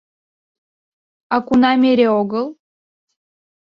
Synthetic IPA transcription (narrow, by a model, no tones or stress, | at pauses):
ɑkunɑmʲeɾʲeoɡəlˠ